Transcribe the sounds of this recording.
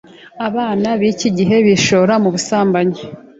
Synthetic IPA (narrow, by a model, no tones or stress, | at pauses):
aβaːnaβiciɟiɦe̞βiʃo̞ɾamuβusaːmbaɲe